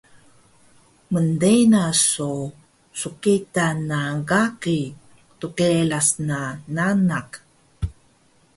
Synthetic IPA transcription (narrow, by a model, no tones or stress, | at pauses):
məndenasu | sukitanːaɡaki | tukelasnananak